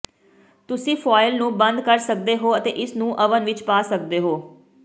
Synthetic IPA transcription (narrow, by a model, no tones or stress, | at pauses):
t̪ʊsĩːpʰaːɪlnũːbə̃nd̪kəɾsək̚d̪eːɦoːət̪ḛːʔɪsnũːʔəʋənʋɪt͡ʃpaːsəkd̪eːɦoː